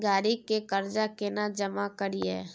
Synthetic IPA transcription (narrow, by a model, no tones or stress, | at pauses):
ɡaːɾikekəɾd͡ʒakenad͡ʒəmakəɾiɛ̰ː